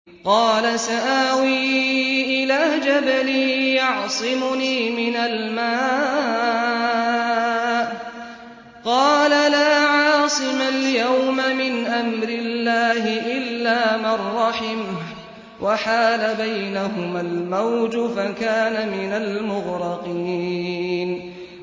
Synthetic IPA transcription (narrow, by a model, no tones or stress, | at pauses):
qɑːlasaʔaːwiːʔɪlaːd͡ʒabaliːjɑʕsˤɨmʊniːmɪnalmaː | ʔ | qɑːlalaːʕɑːsˤɨmaljawmamɪnʔamɾɪlːaːhɪʔɪlːaːmɑrˤːɑħɪm | wʔaħaːlabajnaɦʊmalmawd͡ʒʊfakaːnamɪnalmʊɣɾɑqiːn